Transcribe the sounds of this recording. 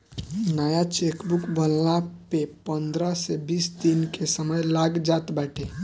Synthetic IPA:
najat͡ʃekbukbəlnapepənd̪ɾəsebisd̪inkesəməjlaɡd͡ʒat̪baʈʰe

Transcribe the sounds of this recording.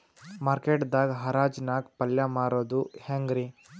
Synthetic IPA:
maːɾkeʈd̪aːɡɦɐɾaːd͡ʒnaːɡpɐljamaːɾoːd̪uhaŋɡɾi

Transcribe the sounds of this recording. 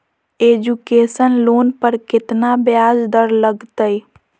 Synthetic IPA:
ed͡ʒukesənlonpəɾkɪt̪nabjad͡ʒd̪əɾləɡt̪əj

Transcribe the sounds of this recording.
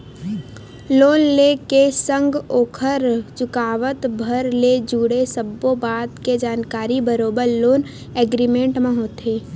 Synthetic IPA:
loːnlekesə̃ŋɡoːkʰəɾt͡ʃʊkaːʋət̪bʱəɾled͡ʒuːɽesəbobaːd̪ked͡ʒaːnkaːɾibəɾoːbəɾloːn | ɛːɡɾimẽɳʈmãɦoːt̪ɦeː

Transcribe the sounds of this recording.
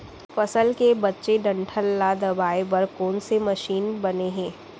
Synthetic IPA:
fɐsəlkebɐtːʃeɖɐ̃ɳʈʰəlːad̪ɐbaːebɐɾkɔːnsemɐʃiːnbɐneɦɛ̃ː

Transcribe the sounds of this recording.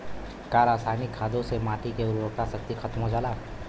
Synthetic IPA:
kaːɾaːsaːnikʰːaːd̪õsemaːʈikeʊɾɾoːk̚t̪asɐkt̪ixʰɐt̪mɦod͡ʒaːlaː

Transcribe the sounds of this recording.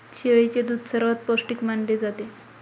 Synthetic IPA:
ɕeɭit͡ɕed̪ud̪ʱsəɾʋat̪̚posʈikmaɳled͡zat̪e

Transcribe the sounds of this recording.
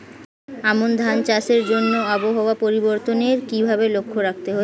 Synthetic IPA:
amond̪ʱant͡ɕaʃeɾd͡ʑonːoɔboɦooapoɾiboɾt̪oneɾkibʱabelokʰːoɾak̚t̪eɦo

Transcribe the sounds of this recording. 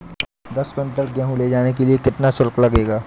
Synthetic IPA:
d̪ɐskə̃ɳʈəɽɡjaɦũleːd͡ʒaːnek̬eliekɪt̪nasʊɾklɐɡeːɡaː

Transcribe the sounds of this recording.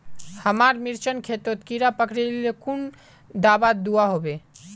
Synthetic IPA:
həmaɾmiɾt͡ʃənkʰet̪ot̪kiɾapəkɽelekun | d̪abad̪uaɦobe

